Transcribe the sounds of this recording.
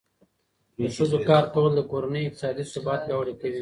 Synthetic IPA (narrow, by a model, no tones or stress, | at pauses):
d̪əʃəzokɑːɾpowld̪əkoɾanəjɪk̚t̪ɪ̥sɑd̪isɪbɑt̪̚ɡawɽekawi